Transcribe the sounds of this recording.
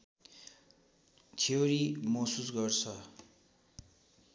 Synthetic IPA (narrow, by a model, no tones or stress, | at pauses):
t͡sʰeɾimʌsusɡʌrt͡sʰʌ